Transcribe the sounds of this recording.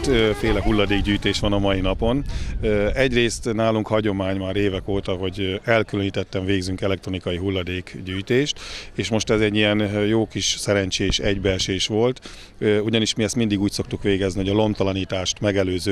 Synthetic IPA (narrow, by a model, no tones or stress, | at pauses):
t̪feːlɛɦulːɒd̪eːɡɟyːjt̪eːʃʋɒnɒmɒjinɒpo̞n | ɛɟreːst̪naːluŋkhɒɟo̞maːɲmaːɾeːvɛkoːt̪ɒɦo̞ɟɛlkyløɲiːt̪ɛt̪ːɛɱveːɡzyŋkɛlɛk̚t̪ro̞nikɒjiɦulːɒd̪eːkɟyːjt̪eːʃt̪eːʃmo̞ʃt̪ɛzɛɟːijɛnjoːkiʃsɛɾɛɲt͡ʃeːʃɛɟbɛrʃeːʃʋo̞lt̪ | uɟɒniʃmiɛst̪mind̪iɡuːcso̞k̚t̪ukʋeːɡɛzniɦo̞ɟɒlo̞mt̪ɒlɒniːt̪aːʃt̪mɛɡɛløːzøː